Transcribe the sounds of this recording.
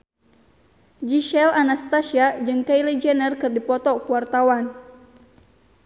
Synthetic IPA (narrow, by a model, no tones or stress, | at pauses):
d͡ʒiʃɛlanast̪asiad͡ʒɨŋkailɛd͡ʒɛnərkɨrdipɔt̪ɔkuart̪awan